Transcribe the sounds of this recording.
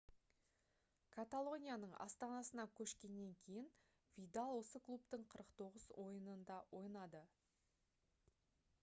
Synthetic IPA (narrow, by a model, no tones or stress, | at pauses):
kʰat̪alˠo̞nʲijanəɴɑ̰st̪ɑnɑsənɑkʲʰɵʃkʲe̞nːe̞ŋkʲʰe̞jɪn | vʲijd̪alˠwo̞səklˠupt̪əɴqʰəɾəqt̪ʰo̞ʁəzwo̞jənənd̪ɑwʔo̞jnɑd̪ə